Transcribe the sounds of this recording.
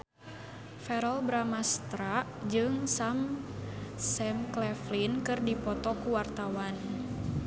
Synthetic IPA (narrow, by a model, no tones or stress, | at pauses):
fɛɾɔlbɾamast̪ɾaʔd͡ʒɨŋsam | sɛmklɛflinkɨrdipɔt̪ɔkuwart̪awan